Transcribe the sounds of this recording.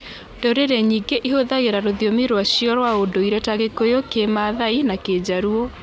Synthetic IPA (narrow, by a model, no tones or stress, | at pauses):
d̥oɾeɾɛɲiːɡeʔiɦoðaɣeɾaɾoðijomiɾwaɕiɔɾwaodoiɾɛtaɣekojokemaðainaked͡ʑaɾuɔ